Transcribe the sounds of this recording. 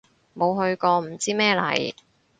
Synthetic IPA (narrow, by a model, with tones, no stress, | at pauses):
mo˨˧wɦɵ˧ɥkɔː˧m̩˨˩t͡siː˥mɛː˥lɐ̰˨˩j